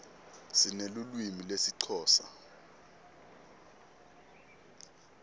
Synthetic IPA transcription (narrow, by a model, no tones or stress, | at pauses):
z̥inelulwimilesiǀʰɔːsa̰